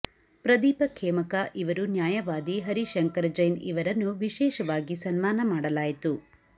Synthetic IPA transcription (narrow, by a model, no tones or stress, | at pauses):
pɾɐd̪iːpɐkʰɛːmɐkaʔiʋɐɾunjaːjɐʋaːd̪iɦɐɾiʃɐŋkɐɾd͡ʒɐjniʋɐɾɐnːuʋiʃɛːʃɐʋaːɡisɐnmaːnɐmaːɽɐlaːjit̪u